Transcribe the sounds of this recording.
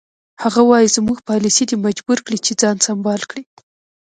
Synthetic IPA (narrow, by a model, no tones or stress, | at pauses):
haɣawɑjizmuɡpɑlisid̪imad͡ʒbuɾkɽit͡ʃed͡zɑnsambɑlkɽi